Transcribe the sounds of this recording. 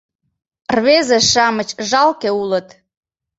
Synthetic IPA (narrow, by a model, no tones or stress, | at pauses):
rβezeʃɑmət͡ɕʒɑlkeulət̪